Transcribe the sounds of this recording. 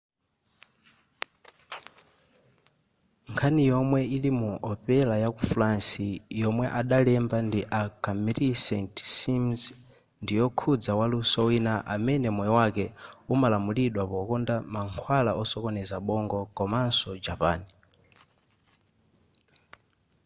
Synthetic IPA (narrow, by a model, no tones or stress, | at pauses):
ŋkʰanijɔmwɛilimuʔɔpɛlajakufɾansijɔmwɛʔaɗalɛmbandiʔakamɛɾisɛntsimz | ndijɔkʰud͡zawalusɔwinaʔamɛnɛmɔjɔwakɛumalamuliɗwapɔkɔndamaŋkʰwalaɔsɔkɔnɛzaɓɔŋɡɔkɔmansɔd͡ʒapa̰ːni